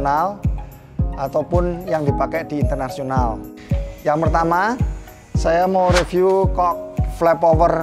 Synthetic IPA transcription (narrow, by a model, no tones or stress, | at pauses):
nal | ʔat̪awpʊnjaŋd̪i̤pakɛd̪̥i̤ːnt̪ərnasional | jaŋpərt̪ama | sajamowɾefjukɔk̚flɛpɔwər